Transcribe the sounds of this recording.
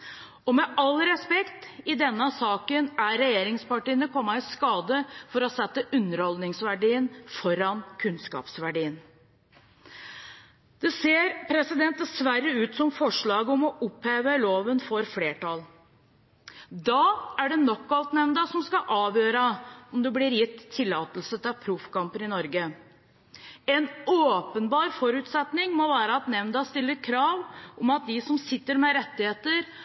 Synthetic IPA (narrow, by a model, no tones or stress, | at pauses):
ɔmɛɑlɾɛspɛkt̪ɪd̪ɛnːəsɑːkənæɾɛjeːɾɪŋspɑʈiːənəkʰɔmːɑɪskɑːd̪əfɔɾɔsɛt̪ːəʔʉnːəɾhɔld̪nɪŋsʋæɖiːənfɔɾɑnkʰʉnskɑ̰ːpsʋæɖiːən | d̪̥ɛseːɾpʰɾɛsɪd̪ɛnt̪̚d̪ɛsʋæɾəʉːt̪sɔmfɔʂɭɑːɡəɔmɔʔʊpheːʋəloːʋənfɔɾfleːʈɑl | d̪ɑːæɖɛnɔkːɑlt̪nɛʋnd̪ɑsɔmskɑʔɑːʋjøːɾəɔmd̪ɛblɪɾjɪt̪ʰːɪlːɑːt̪əlsət̪ʰɪpʰɾʊfkɑmpənɪnɔɾɡə | ɛnoːpənbɑːɾfɔɾʉːt̪sɛt̪nɪŋmɔʋæːɾəɑt̪nɛʋnd̪ɑst̪ɪlːəɾkʰɾɑːʋʔɔmɑt̪̚d̪ɪsɔmsɪt̪ːəɾmɛɾɛt̪ːɪheːt̪əɾ